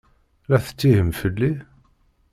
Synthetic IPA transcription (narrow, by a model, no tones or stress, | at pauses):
læθə̥t͡sːihəmfəlːi